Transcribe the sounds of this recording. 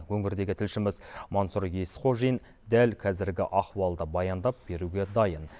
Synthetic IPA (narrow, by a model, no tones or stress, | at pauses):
wɵŋɪɾd̪e̞ɡʲɪt̪ʰɪlʃɪmɪzmonsuɾjesqʰoʒin | d̪ælkʲʰɑzɪɾɡʲɪ̰ʔɑqwɑlˠd̪əbɑjɑnd̪ɑp̚b̥e̞ɾuɡʲe̞d̪ɑjən